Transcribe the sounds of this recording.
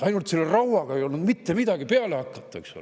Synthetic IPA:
ɑjnult̪selːerɑwwɑɡ̥ɑe̞jo̞lnud̪mit̪ːemid̪̥ɑɡ̥ipeælehɑkːɑt̪ːˑɑḛkso̰l̰

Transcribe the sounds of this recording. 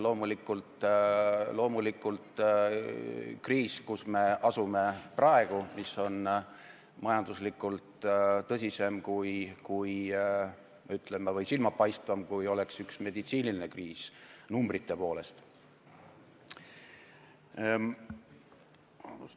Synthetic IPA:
lo̞ːmulikːˑult̪ | lo̞ːmulikːˑult̪ | kriːskusme̞ʔɑsume̞prɑeɡ̥umiso̞n | mɑjɑnd̪̥uslikːˑult̪t̪ɤs̬ʲise̞mkujkuj | mɑyt̪ˑlemevɤjsilmɑpɑjst̪vɑmkujo̞le̞ksyksme̞d̪it̪siːnilinekriːsnumbrit̪ːe̞po̞ːle̞st̪

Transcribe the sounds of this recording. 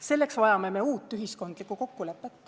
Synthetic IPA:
se̞lːe̞ksvɑjɑme̞me̞uːt̪ːˑyɦisko̞nd̪̥likːˑuko̞kːule̞pːˑet̪ˑː

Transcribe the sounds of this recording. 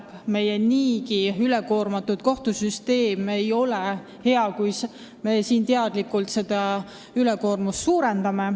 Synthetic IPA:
me̞jeniːkiyleko̞ːrmɑt̪ːut̪̚ko̞ht̪usyst̪e̞ːme̞jo̞le | he̞ɑkujs | me̞siːnt̪eɑd̪̥likult̪se̞d̪̥ɑ | yleko̞ːrmust̪suːɾend̪̥ɑme̞

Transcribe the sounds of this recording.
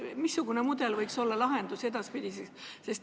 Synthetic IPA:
misːuɡ̥unemud̪̥e̞lvɤjkso̞lːɑlɑɦend̪use̞d̪̥ɑspid̪isese̞st̪

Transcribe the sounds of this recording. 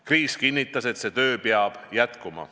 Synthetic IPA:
kriːskinʲːit̪ˑːɑse̞t̪se̞t̪ø̞ːpeɑb̥jæt̪kumɑ̰

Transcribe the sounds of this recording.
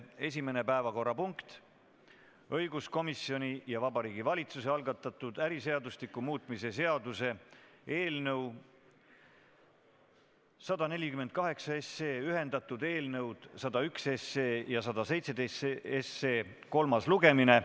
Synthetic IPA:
e̞s̬ʲime̞ne̞pæevɑko̞rːɑpuŋkt̪ | ɤjɡusko̞misjo̞nʲijɑvɑbɑɾiːɡivɑlʲit̪suse̞ɑlɡɑt̪ːˑɑt̪ˑud̪̥æɾise̞ɑd̪uslikːˑumuːt̪ˑmise̞se̞ɑd̪̥use̞e̞ːlnɤw | sɑd̪̥ɑne̞lʲikymend̪̚kɑɦe̞ksɑe̞sːe̞ːyɦe̞nd̪̥ɑt̪ːˑud̪e̞ːlnɤwd̪̥sɑd̪̥ɑykse̞sːeːjɑsɑd̪ɑse̞jt̪se̞d̪esesːeːko̞lmɑsluɡe̞mine̞

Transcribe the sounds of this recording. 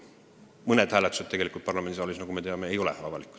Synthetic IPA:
mɤned̪̥hæːlet̪ːˑu̥se̞t̪t̪ːe̞ɡe̞likult̪pɑrlɑmend̪isɑːlvisnɑɡume̞t̪eɑme̞ejo̞lɛ̰vɑvɑlikˑu̥

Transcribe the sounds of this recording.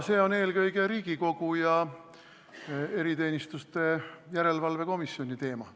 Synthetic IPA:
se̞ːo̞ne̞ːlɡɤjɡe̞ɾiːɡ̥iko̞ɡ̥ujɑ | e̞ɾit̪e̞ːnʲist̪ust̪e̞jæɾe̞lvɑlve̞ko̞misːjo̞nʲit̪e̞ːmɑ

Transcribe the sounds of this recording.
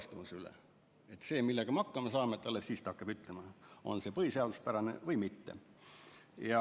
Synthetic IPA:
st̪umusylḛ | et̪ːseːmilːeɡ̥ɑmɑkːɑmesɑːmet̪ːɑlːessiːst̪ɑkːɑb̥yt̪ːˑlemɑo̞̰nse̞ːpɤiseɑd̪uspæɾɑnḛvɤjmit̪ːe | jɑ

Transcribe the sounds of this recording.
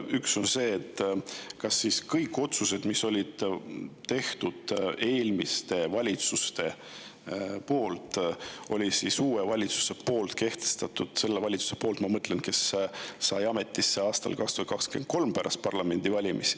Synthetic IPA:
ykso̞nse̞ːt̪ːkɑsːiskɤjkːˑo̞t̪suse̞d̪̥miso̞lʲid̪̥t̪e̞ht̪ud̪̥e̞ːlmist̪e̞vɑlʲit̪sust̪e̞ | po̞ːlt̪ˑo̞lʲisisuːevɑlʲit̪su̥se̞po̞ːlt̪ke̞ht̪e̞̥st̪ɑt̪ːˑud̪̥se̞lːevɑlʲit̪su̥se̞poːlt̪mɑmɤt̪ːle̞nke̞sːɑjɑme̞t̪ːˑisːeɑːst̪ɑ̰lkɑkst̪uhɑt̪̚kɑkske̞n̚ko̞lmpæɾʔɑ̰st̪̚pɑrlɑme̞nʲd̪̥ivɑlʲimis

